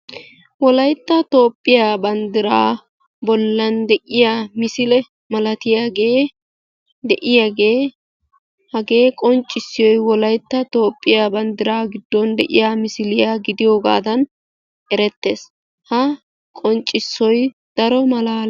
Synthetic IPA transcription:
wɔlɐjt̪ːɐt̪o̞ːpʼːɪjaːbɐnd̪ɪɾaː | bɔlːɐnd̪ɛʔɪjaːmɪsɪlɛ | mɐlɐt̪ɪjaːɡeː | d̪ɛʔɪjaːɡeː | hɐɡeːkʼɔnt͡ʃʼːɪsːɪjɔjwɔlɐjt̪ːɐt̪o̞ːpʼːɪjaːbɐnd̪ɪɾaːɡɪd̪ːɔnd̪ɛ̰ʔɪjaːmɪsɪlɪjaːɡɪd̪ɪjo̞ːɡa̰ːd̪ɐn | ɛɾɛt̪ːe̞̰ːs | hɐ | kʼɔnt͡ʃʼːɪsːɔj | d̪̥ɐɾɔmɐlaːl

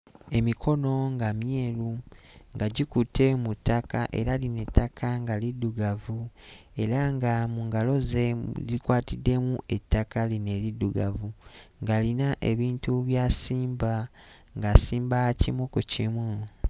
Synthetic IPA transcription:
e̞mikʰo̞no̞ŋɡamje̞ːɾuŋɡaɟikute̞mutʰːakaʔe̞̰ɾaline̞tːakʰaŋɡalidːuɡavu | e̞ɾaŋɡamuːŋɡalo̞zezikwaːtidːe̞muʔe̞tːakaline̞liduɡavuŋɡalinaʔe̞βiːntuβjasiːmba | ŋɡasiːmbaacimokucimwe

